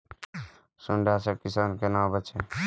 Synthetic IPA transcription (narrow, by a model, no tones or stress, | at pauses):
suɳɖasəkisaːnkenãbət͡ʃe